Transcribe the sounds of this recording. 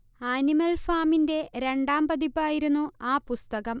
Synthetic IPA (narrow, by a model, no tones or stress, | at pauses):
aːnimɐlfaːminde̞ɾe̞ɳɖaːmbɐðipːaːjiɾunːuaːpust̪ɐɣɐm